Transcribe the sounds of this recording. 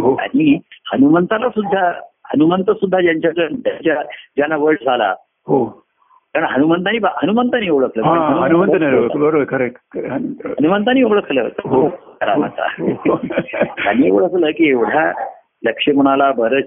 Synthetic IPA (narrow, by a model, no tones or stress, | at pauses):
ɦoa̰ɽ̃ihənumənt̪alasud̪ʱːahənumənt̪əsud̪ʱːad͡ʑjaɲt͡ɕjakəɳt̪jaɲt͡ɕad͡ʑanaʋəɭʈd͡zʱala̰ | ɦo | kəɳɦənumənt̪aniːbaɦənumənt̪aniːoɭəkʰləːkɦãɦɦənuənumənənaobəɾokəɾek̚ʈɦənənumənt̪aniːoɭəkʰləːt̪əɦoəɾa̰a̰t̪a̰ɦ | a̰niːo̰ɭəkʰləːkiːeʋɽ̤ja | ləkʂemuɽ̃alabəɾə